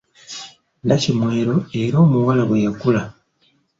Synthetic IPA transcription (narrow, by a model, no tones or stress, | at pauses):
lacimwe̞ːɾo̞e̞ɾoːmuwalaβwejakula